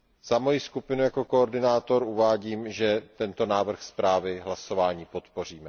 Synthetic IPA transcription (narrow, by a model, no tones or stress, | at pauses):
z̥amo̞jiskupɪnujako̞kooɾdɪnaːt̪o̞ɾuvaːɟiːmʒɛt̪ɛnt̪o̞naːvr̩xspɾaːvɪɦlaso̞vaːɲiːpo̞t̪po̞r̝iːmɛ